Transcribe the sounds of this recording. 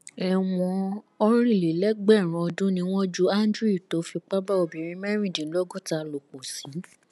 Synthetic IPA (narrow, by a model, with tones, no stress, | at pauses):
ɛ˨w̃ɔ̃˧ | ɔ˧ɾ̃ĩ˦˨le˨lɛ˨˦ɡ͡bɛ˦˨ɾ̃ũ˨ɔ˧dũ˦nĩ˧w̃ɔ̃˦d͡ʒu˦a˦ndɾi˦˨to˨˦fi˧k͡pa˦ba˦o˧˨bĩ˨ɾ̃ĩ˧˦mɛ˦ɾ̃ĩ˦˨dĩ˨˦lo˦ɡo˦˨ta˧˨lo˨k͡po˨si˨˦